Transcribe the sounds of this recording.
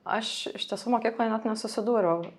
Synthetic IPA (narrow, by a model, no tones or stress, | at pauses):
ɐ̰ʃɪ̰ʃt̪ʲiɛsuːmoːkʲiːklˠoːjnʲɛt̪nʲɛsʊsʲɪd̪uːɾɐʊ